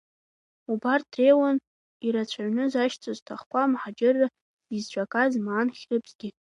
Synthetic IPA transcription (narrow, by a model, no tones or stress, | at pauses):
ubartʰrejwan | iɾat͡ɕʷʰaɥnɨzaʃt͡sʼoztʰaχkʷʰʼamħad͡ʒɪrːa | izt͡ʃʷʼakʼazmaːnχʲrɨpʰʼzɡʲɪ